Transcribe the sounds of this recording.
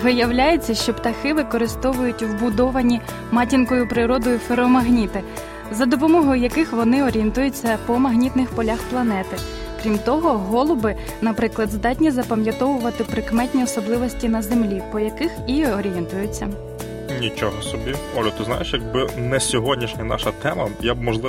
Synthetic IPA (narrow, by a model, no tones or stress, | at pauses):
ʋɪjɐwlʲajet͡sʲːɐʃt͡ʃɔpt̪ɐxɪʋɪkɔɾɪst̪ɔʋʊjʊtʲwbʊd̪ɔʋɐnʲi | mɑtʲinkɔjʊpɾɪɾɔd̪ɔjʊfeɾɔmɐɦnʲit̪ɪ | zɐd̪ɔpɔmɔɦɔjʊjɐkɪxʋɔnɪɔɾʲient̪ujʊt͡sʲːɐpɔmɐɦnʲit̪nɪxpɔlʲaxplˠɐnɛt̪ɪ | kɾʲimt̪ɔɦɔɦɔlˠʊbɪ | nɐpɾɪklˠɐd̪zd̪ɑtʲnʲizɐpɐmʲjɐt̪ɔʋʊʋɐt̪ɪpɾɪkmɛtʲnʲiɔsɔblˠɪʋɔsʲtʲinɐzemlʲipɔjɐkɪxiɔɾʲijɛnt̪ʊjʊt͡sʲːɐ | nʲit͡ʃɔɦɔsɔbʲiɔlʲʊt̪ɪzna̰jeʃjɐɡ̚bɪnɛsʲɔɦɔdʲnʲiʃnʲɐnɑ̰ʃɐt̪ɛmɐjabmɔʒlˠɪ